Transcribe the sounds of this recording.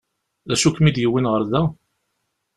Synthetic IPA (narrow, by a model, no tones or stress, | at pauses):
æʃukːmid̪jəwːinʁəɾðæ